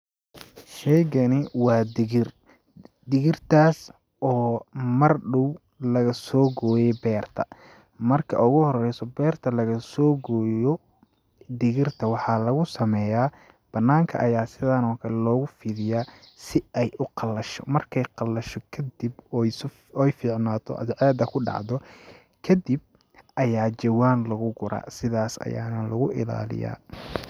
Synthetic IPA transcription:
ʃɛːɣɐnɪwɑːd̪ɪɣɪr | d̪ɪɣɪrt̪ʰaːs | ʔɔːmɐrɖʊw | lɐɣɐsɔːɡɔːjɛjbɛːrt̪ʰɐ | mɐrkʰɐ̰ʔʊɣʊhɔrɛjsɔbɛːrt̪ʰɐlɐɣɐsɔːɡɔːjɔ | d̪ɪɣɪrt̪ʰɐwɑħɑːlɐɣʊsɐmɛːjaː | b̥ɐnːaːŋkʰɐ̰ʔɐjaːsɪðanɔːkʰɐlɛlɔːɣʊfiːðɪjaː | sɪɛjʔʊqɑlːɐʃɔ̰mɐrkʰɛjqɑlːɐʃɔkʰɐd̪ib | ɛjfiːʕnaːt̪ʰɔ̰ʔɐ̰d̪ʕɛːd̪ɐkʰʊɖɑ̰ʕd̪ɔ | kʰɐd̪ib̚ | ʔɐjaːd͡ʒɐwaːnlɐɣʊɡʊɾa̰ːsɪðaːsɐ̰ja̰ːnɐlɐɣʊʔɪla̰ːlɪ̰ja̰ː

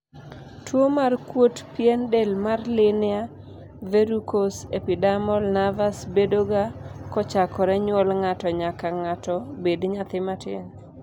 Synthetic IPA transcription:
twomarkwotpjendelmarlɪnɪa | veɾukosepidamɔlnavasbedoɡakɔt͡ʃakɔɾɛɲwɔlŋatɔɲakaŋatɔbedɲat̪ɪmatɪn

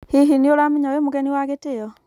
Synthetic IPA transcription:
hiɦinioɾamiɲawemoɣɛniwaɣeteɔ

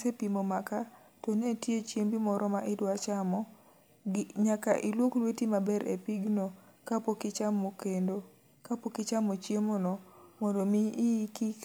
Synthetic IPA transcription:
sepimomaka | tɔnetjet͡ʃjembimɔɾʔɔmaʔɪdwat͡ʃamɔ | ɲaka̰ʔilwoklwetimabɛɾʔḛpiɡno | kapokɪt͡ʃamokendo | kapokɪt͡ʃamot͡ʃjemonɔmɔndomiːki

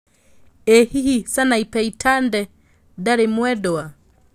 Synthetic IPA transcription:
ɛhihisanaipɛitʰandɛ | daɾemwɛdɔa

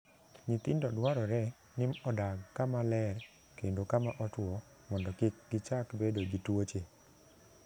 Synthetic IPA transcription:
ɲit̪ɪndɔdwaɾɔɾɛ | nɪmɔdaɡkːamalɛɾ | kendokamaʔɔtwɔ | mɔndɔkɪk̚ɡɪt͡ʃakbedoɡitwot͡ʃe

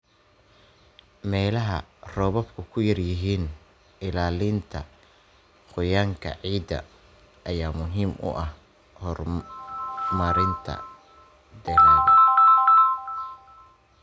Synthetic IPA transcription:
mɛːlɐɦɐ̰rɔːβɔbkʰʊkʰʊjɐrjɪɦiːn | ɪlaːlɪnt̪ʰɐ̰ | qʊjaːŋkʰɐ̰ʕiːd̪ɐ̰ | ɐjaːmʊɦiːmʊ̰ʔɐh | hɔr | mɐɾɪnt̪ʰɐ̰ | d̪ɛːrɐðɐ

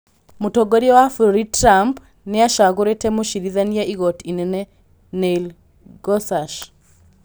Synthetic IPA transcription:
motɔɡoɾiɔwafoɾitɾamp | neaʃaɣoɾetɛmoʃiɾiðaniaʔiɣɔtinɛnɛ | nel | ɡɔsaʃ

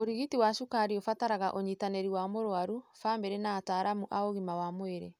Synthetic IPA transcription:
oɾiɣitiwaʃukaɾiofataɾaɣaʔoɲitanɛɾiwamoɾoaɾufaːmbɛɾɛnaːtaːɾamuʔaoɣimawamoeɾɛ̰

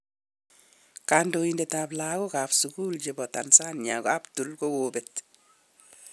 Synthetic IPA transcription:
kaːndoindetaːblaːɡɔkaːfsukuːlɟebɔta̰nsaːnɲa̰ɡabtulkowoːbet

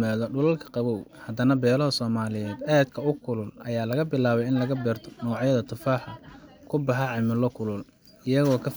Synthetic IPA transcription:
maːðɔɖʊlɐlkʰɐ̥qɑβɔwhɐd̪ɐnɐbɛːlɔɦɔsɔːmaːlɪjɛːd̪aːd̪kʰɐʊkʰʊlʊlʔɐjaːlɐɣɐbɪlaːβɛjɪnlɐɣɐbɛːrt̪ʰɔ̥nɔːʕjɐðɐt̪ʰʊfaːħɐkʰʊbɑħɑʕɑmɪlɔkʰʊlʊl | ɪjɐɣɔːkʰɐf

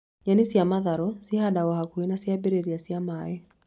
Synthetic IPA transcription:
ɲanisiamaðaɾɔsihadawahakuɛnasiabɛɾɛɾiasiamaɛ

